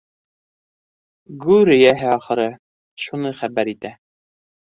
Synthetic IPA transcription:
ɡʉɾɘjæɦɘɑχɤ̆ɾɤ | ʃunɤχæbæɾit̪æ

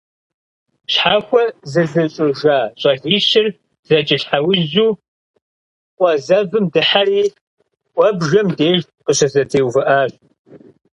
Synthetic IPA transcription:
ɕħaːxʷɔzɨzɨɕʼɪʒaːɕʼɐɣiːʃɪr | z̥ɐt͡ʃʼɪɬħawʊʑuː | qʷʼɔzɐvɨmdɨħariː | ʔʷʼɔbʒɐmdeːʒ | qəɕɐzɐtʰeːwvɨʔaːɕ

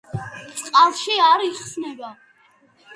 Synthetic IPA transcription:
t̪sʼqʼalˠʃiaɾiχsnɛba

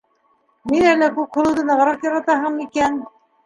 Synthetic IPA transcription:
minælækʉp̚hŭlˠɤwd̪ɤnɑʁɾɑqjɑɾɑt̪ɑɦɤmikæn

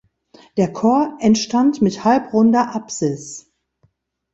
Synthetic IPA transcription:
d̥eːɐkʰɔɐʔɛntʃtantmɪthalpʁʊndɐʔapz̥ɪs

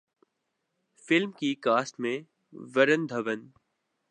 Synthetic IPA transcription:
fɪlmkikaːsʈmẽ | ʋəɾənd̪ʱɐʋən

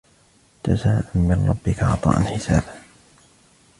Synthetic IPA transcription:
t̪ʰasaːʔanmɪnɾˤɑ̰bːɪkaʕɑ̰t̪ˤɑ̰ːʔanħɪsa̰ːb

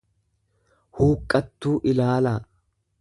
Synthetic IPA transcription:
huːkʼːɐt̪ːuːʔɪlaːla

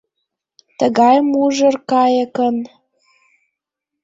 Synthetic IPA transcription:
t̪əɣɑjmuʒə̆rkɑjəkə̆n

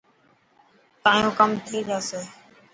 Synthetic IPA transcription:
t̪ãːjõːkəmt̪ʰiːd͡ʒ̪aːseː

